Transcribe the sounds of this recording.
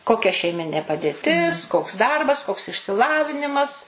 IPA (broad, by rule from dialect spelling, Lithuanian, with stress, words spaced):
ˈkoːkʲɛ ʃʲɛɪˈmʲɪnʲeː pɐˈdʲeːtʲɪs koːks ˈdɐrbɐs koːks ɪʃʲsʲɪˈlˠɑːʋʲɪnʲɪmɐs